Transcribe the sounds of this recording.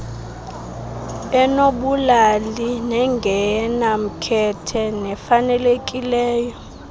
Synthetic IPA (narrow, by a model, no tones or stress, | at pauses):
ɛnoɓulalinɛŋɡʱɛnam̩kʰɛtʰɛnɛfanɛlekʼilɛːjɔ